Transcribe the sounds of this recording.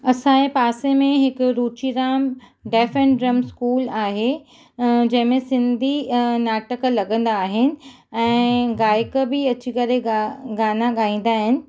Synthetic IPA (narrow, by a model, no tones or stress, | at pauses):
ɐsãepaːsemẽɦɪkʊɾuːt͡ɕiɾaːm | ɖɛːfɛ̃ɳɖɾɐmskuːlaːɦe | d͡ʑɐ̃ɦɪ̃mẽsɪ̃nd̪ʱinaːʈəklɐɡə̃nd̪aːɦɪnɪ̆ | ɛ̃ːɡaːjkəbɪɐt͡ɕikɐɾeɡaːnaɠaːĩːn̆d̪aːɦɪnɪ̆